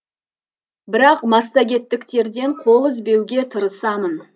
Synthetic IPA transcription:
bɪɾɑqmɑsːɑɡʲe̞t̪ːɪkt̪e̞ɾd̪e̞ɴqʰo̞lˠɪzbe̞wɡʲe̞t̪ʰəɾəsɑmən

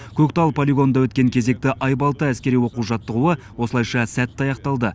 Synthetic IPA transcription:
kʲʰɵkt̪ɑlˠpʰolʲiɡo̞nd̪ɑwɵt̪̚kʲe̞ŋkʲʰe̞ze̞k̚t̪ɪʔɑjbɑlˠt̪əæskʲe̞ɾijwo̞quwʒɑt̪ːəʁuə | wo̞səlˠɑjʃɑsæt̪ːɑjɑqt̪ɑlˠd̪ə

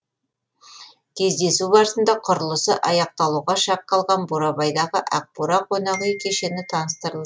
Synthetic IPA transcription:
kʲʰe̞zd̪e̞subɑɾəsənd̪ɑqʰʊɾəlˠəsəʔɑjɑq̚t̪ɑlˠuʁɑʃɑqːɑlˠʁɑnboɾɑbɑjd̪ɑʁəʔæq̚puɾɑqʰonɑʁəjkʲʰe̞ʃe̞nɪt̪ʰɑnəst̪əɾəlˠd̪ə

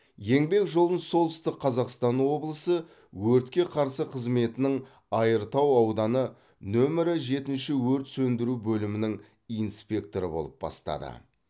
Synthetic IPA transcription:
je̞ŋbe̞kʒo̞lˠənso̞lˠt̪ʏ̥st̪ɪq̚qʰɑzɑqst̪ɑnwo̞blˠəsə | wɵɾt̪kʲe̞qʰɑɾsəqʰəzme̞t̪ɪnɪŋ | ɑjəɾt̪ɑwɑwd̪ɑnə | nɵmɪɾɪʒe̞t̪ɪnʃɪwɵɾt̪sɵnd̪ɪɾubɵlɪmɪnɪŋ | inspʲe̞k̚t̪o̞ɾəbo̞lˠəp̚bɑ̰st̪ɑ̰d̪ə̰

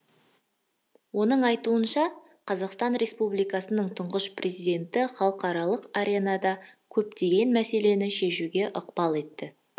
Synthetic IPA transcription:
wo̞nəɴɑjt̪uənʃɑ | qʰɑzɑqst̪ɑnɾe̞spublijkɑsənəɴt̪ʰʊɴʁəʃprʲʔe̞zijd̪e̞nt̪ɪχɑlˠəqɑɾɑlˠəqaɾʲenɑd̪ɑkʲʰɵpt̪e̞ɡʲe̞nmæse̞le̞nɪʃe̞ʃuɡʲe̞ʔʊqpɑlˠe̞t̪ːɪ

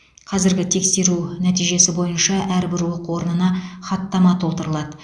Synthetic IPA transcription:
qʰɑzɪɾɡʲɪt̪ʰe̞kse̞ɾunæt̪ijʒe̞sɪbo̞jənʃɑʔæɾbɪɾwoqwo̞ɾnənɑχɑt̪ːɑmɑt̪ʰo̞lˠt̪əɾəlˠɑd̪ə

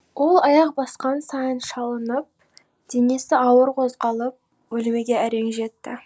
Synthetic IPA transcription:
wo̞lˠɑjɑq̚bɑsqɑnsɑjənʃɑlˠənəp̚ | d̪̥ene̞sɪɑwəɾqʰo̞zʁɑlˠəp̚ | wɵlme̞ɡʲe̞æɾe̞ŋʒe̞t̪ːɪ

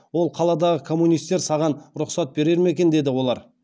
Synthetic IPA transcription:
wo̞lˠqʰɑlˠɑd̪ɑʁəkʰo̞mːunijst̪ːe̞ɾsɑʁɑnɾʊqsɑt̪̚be̞ɾe̞ɾme̞kʲe̞nd̪e̞d̪ɪwo̞lˠɑɾ

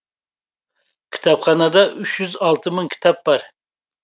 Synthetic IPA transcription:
kʲʰi̥t̪ʰɑpχɑnɑd̪ɑʔyt͡ʃjyzɑlˠt̪ʰɨmɨŋkʲʰi̥t̪ʰɑp̚bɑɾ

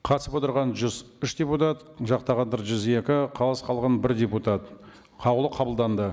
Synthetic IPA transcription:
qʰɑt̪səpwot̪əɾʁɑnʒʏz | ʏʃd̪ʲeput̪at̪ | ʒɑqt̪ɑʁɑnd̪ɑɾʒʏze̞kʲɪqʰɑlˠɑsqʰɑlˠʁɑnbɪɾd̪ʲe̞put̪at̪ | qʰɑwlˠəqʰɑbəlˠd̪ɑnd̪ə

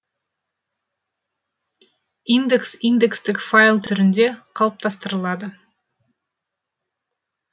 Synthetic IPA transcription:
ind̪eksijnd̪ekst̪ɪkfajlˠt̪ʰʏɾɪnd̪e̞qʰɑlˠəp̚t̪ʰɑst̪əɾəlˠɑd̪ə

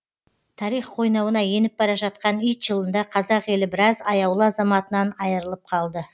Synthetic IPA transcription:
t̪ʰɑɾijχqʰo̞jnɑwənɑje̞nɪp̚bɑɾɑʒɑt̪̚qɑnijt̪ʒ̥əlˠənd̪ɑqʰɑzɑqje̞lɪbɪɾɑzɑjɑwlˠəɑzɑmɑt̪ənɑnɑjəɾəlˠəp̚qʰɑlˠd̪ə

